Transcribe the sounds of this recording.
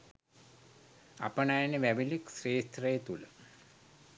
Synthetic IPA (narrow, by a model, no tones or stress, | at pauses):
a̰pənajanəʋæʋiliksreːst̪rəjet̪ulə